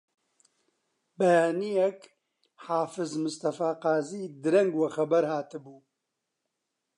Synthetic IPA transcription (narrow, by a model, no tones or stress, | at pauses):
bɛjaːnijɛk | ħaːfɨzmʊst̪ɐfaːqaːziːd̪ɨɾɛŋɡwɐxɐbɐɾhaːt̪ɨbuː